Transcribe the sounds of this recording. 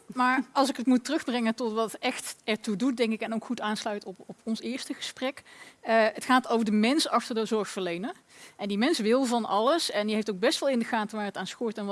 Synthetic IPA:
maːɹɑlˠsɪkətmutərɵxbrɛŋətɔtʋɑtɛxtɛɹtudut̚dɛŋkɪkɛnowkχutaːnslœɥtɔpɔpɔnsɪːɹstəχəsprɛkəətχaːtowvəɹdəmɛnsɑxtəɹdəzɔɹxfəɹlejnə | ʔɛndimɛnsʋɪlˠvɑnɑ̰ləsɛndiɦejftowɡ̚bɛstʋɑlˠɪndəɣaːtəʋaːɹətaːnskʊːɹtɛn

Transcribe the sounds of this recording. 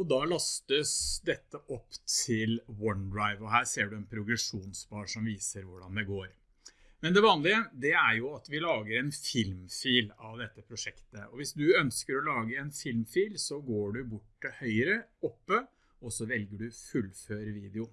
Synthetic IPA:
ɔd̪ɑlɑst̪əsd̪ɛt̪ːəʔɔpːt̪ʰɪlwɔnd̪ɾaɪʋɔɦæːɾseːɖʉɛnpʰɾʊɡɾɛʂuːnsbɑːʂɔmʋiːsəɾʋʊɖɑ̰nd̪ɛɡoːɾ | mɛnd̪ɛʋɑːnlɪəd̪ɛæɾjʊɑt̪ʋɪlɑːɡəɾɛnfɪlmfiːlɑʋd̪ɛt̪ːəpʰɾʊʂɛkt̪əɔʋɪsd̪ʉœnskəɾɔlɑːɡəɛnfɪlmfiːlsɔɡoːɖʉbʊʈːəhœʏəɾəɔpːə | ɔsɔʋɛlɡəɖʉfʉlføːɾəʋiːd̪ɛʊ

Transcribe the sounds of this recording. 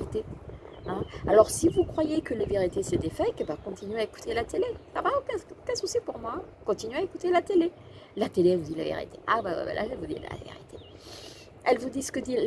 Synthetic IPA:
it̪e | ɛ̃alɔʁsivukχwajekəleveʁit̪esɛd̪efɛkɛbakɔ̃t̪inɥeaeku̥t̪ʰelat̪elesabaopɛkɛsusipuʁmwakɔ̃t̪inɥaekut̪elat̪ele | lat̪elevud̪ila̰vḛʁḭt̪ʰḛʔa̰baba̰ba̰lʔa̰ʒevud̪ḭl̰a̰vḛʁḭt̪ʰe̥ | ɛlvud̪isə̥kəd̪i

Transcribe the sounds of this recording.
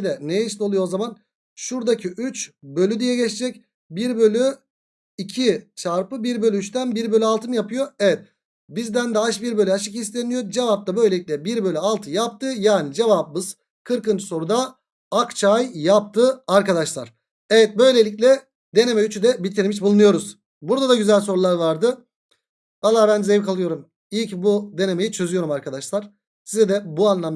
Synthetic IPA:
d̪ɛnejiʃlʲio̞lˠujozaman | ʃuɾd̪acʰiʔyt͡ʃbø̞lʲyd̪ijɛɟɛt͡ʃd͡ʒɛc | biɾbø̞lʲy | icʰit͡ʃʰaɾpɯbiɾbølʲyːt͡ʃt̪ʰænbiɾbø̞lʲyalˠt̪ʰɯnjapʰɯjo̞evɛt̪̚ | bizd̪ænd̪aaʃbiɾbø̞lʲyaʃɯkhist̪ʰe̞nijod͡ʒe̞vap̚t̪ʰabø̞jlʲeicʲlʲɛbiɾbø̞lʲyalˠt̪ʰɯjap̚t̪ʰɯjaːnid͡ʒe̞vabmɯz̥ | kʰɯɾkɯnd͡ʒɯ̥so̞ɾud̪aː | kt͡ʃʰajjap̚t̪ʰɯaɾkad̪aʃlˠaɾ̥ | evɛt̪̚bø̞jlʲe̞lʲicʲlʲɛ | d̪e̞ne̞mɛyt͡ʃʰyd̪ɛbit̪ʰiɾmiʃbulˠunujo̞ɾuz | buɾd̪ad̪aɟyzælʲso̞ɾulˠaɾvaɾd̪ɯ | valˠːaːbænd̪izevkʰalˠɯjo̞ɾum | ilʲcbud̪e̞ne̞me̞jit͡ʃʰø̞zyjo̞ɾumaɾkʰad̪aʃlˠaɾ̥ | sizɛd̪ɛbuanlˠam

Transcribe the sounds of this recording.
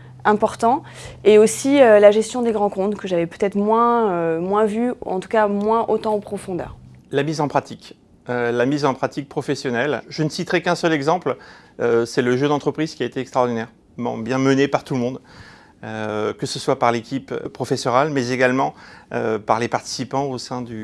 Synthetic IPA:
ɛ̃pɔʁt̪ɑ̃ | eosiølaʒɛst̪jɔ̃d̪eɡʁɑ̃kɔ̃t̪kəʒavɛpø̥t̪ɛt̪χmwɛ̃ømwɛ̃vyɑ̃t̪u̥kamwɛ̃ʔot̪ɑ̃opχɔfɔ̃d̪œ̰ːʁ | lamizɑ̃pχat̪ik | ølamizɑ̃pχat̪ik̚pχɔfɛsjɔnɛlʒənəsit̪χɛkɛ̃sœlɛɡzɑ̃pl | øsɛləʒød̪ɑ̃t̪χəpχiz̥kʲiaet̪eɛkst̪χaɔʁd̪inɛʁ | bɑ̰̃bjɛ̃mənepaʁt̪ulmɔ̃d̪ | økəsəswapaʁlekʲipəpχɔfɛsɔʁalmɛzeɡalmɑ̃ø̰paʁlepaʁt̪i̥sipɑ̃osɛ̃d̪y

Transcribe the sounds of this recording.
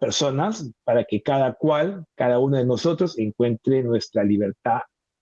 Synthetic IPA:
peɾso̞naspaɾake̞kaðakwalkaðaunoðenoso̞t̪ɾose̞ŋkwe̞nt̪ɾenwe̞st̪ɾaliβe̞ɾt̪að

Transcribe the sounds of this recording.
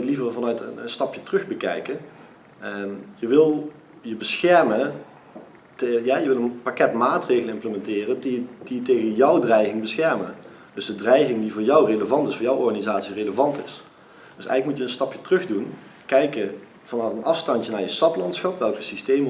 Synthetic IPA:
tlivərvɑnœɥtə̰nənstɑpjətrɵxbəkɛ̰jkə | jəʋɪlˠ | jəbəsxɛɹmə | tjajəʋɪlˠənpakɛtmaːtrejɣələnɪmpləmɛntɪːrəndid̥itejɣənjɔwdrɛjɣɪŋbəsxɛɹmə | d̥ɵzdədrɛjɣɪŋdivʊːɹjɔwreləvɑntɪsfʊːɹjɔwʔɔɹɣanizaːtsireləvɑntɪs | d̥əsɛ̰jɣələkmutjəənstɑpjətrɵχdunkɛjkə | v̥ɑnɑfənɑfstɑncənaːɹjəstɑplɑntsχɑpʋɛlˠkəsistejm

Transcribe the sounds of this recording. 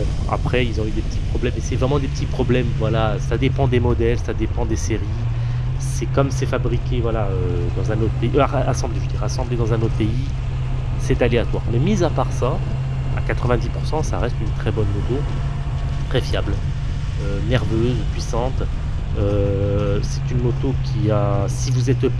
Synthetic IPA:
a̰pχɛilzɔ̃yd̪epət̪ʰi̥pχɔblɛmesɛvʁɛmɑ̃d̪epət̪ipχɔblɛmvwalasad̪epɑ̃d̪emɔd̪ɛlsad̪epɑ̃d̪eseʁi | sɛkɔmsɛfabʁikʲʰevwalaø | d̪ɑ̃zɛ̃not̪χpeiʔaaʔasɑ̃bleʒəd̪iʁasɑ̃bled̪ɑ̃zɛ̃not̪χəpei | sɛt̪aleat̪waʁmɛmizapaʁsa | a̰kat̪χəvɛ̃d̪ipuʁsɑ̃saʁɛst̪ynt̪χɛbɔnmot̪o | t̪χɛfjabl | ønɛʁvøzpɥisɑ̃t̪ | ø | sɛt̪ynmot̪okʲʰiasivuzɛt̪

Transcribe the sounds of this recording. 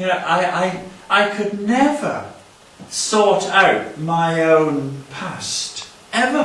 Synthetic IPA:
ʔaɪʔaɪʔaɪkʰɨdⁿnɛvə̰˞ | sɔɾaʊt̚maɪõʊ̃npʰæst | ɛvə

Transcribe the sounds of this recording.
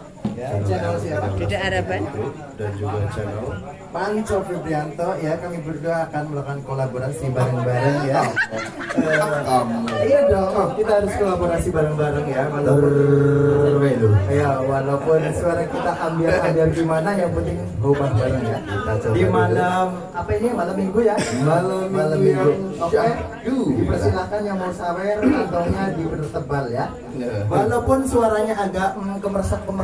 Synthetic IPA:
jat͡ʃɛnəlsiaiadabat̪u | dand͡ʒuɡat͡ʃɛnəl | pant͡ʃofibɾiant̪ɔjakamibərɡuaːkanməlakankolaboɾansibaɾəŋbaɾəŋja | ə | jadɔɔkit̪aɦaɾʊskolaboɾasibaɾəŋbaɾəŋjakal | at̪ʊjawalapʊnsuaɾakit̪aʔambɪrambɪrɡimanajaŋpənt̪ɪŋ | ɦubahbalaŋjaaɡimalam | apainiamalamiɡujamalamːalamiŋɡuŋokɛ | dudipərsilakanjaŋbousawɛrant̪aɲadipənt̪əbalja | walawpʊnsuaɾaɲaʔːɡaʔməŋkəmərsakːəmə

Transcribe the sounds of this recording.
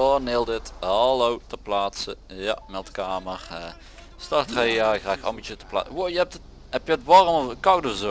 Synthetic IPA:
oneːlˠdɪthaɑlowtəplaːtsəja̰mɛlˠtkaːmərə | stɑrtχajjaːraːxɑ̰mbitətə̥pla̰ːʋojəɛp̚tə | ɛpjəətʋɑrmɔfəkɑwtɔfzo

